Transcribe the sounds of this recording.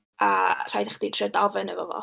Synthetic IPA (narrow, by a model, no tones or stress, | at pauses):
ar̥ajdəχd̥itʰrədɔvɛnəvɔ̰vɔ̰